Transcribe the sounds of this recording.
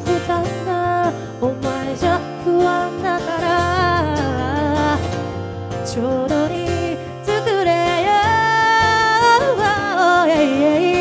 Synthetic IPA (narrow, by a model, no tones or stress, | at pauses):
kɯt̪anːa | omaeʑa | hɯand̪akaɾa | t͡ɕoːd̪oɲi | t͡sɨkɯɾeja | ɯβaojaiei